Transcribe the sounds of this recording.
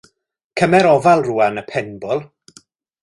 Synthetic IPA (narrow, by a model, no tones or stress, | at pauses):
kʰəmɛɾɔvalˠruːanəpʰɛnbɔlˠ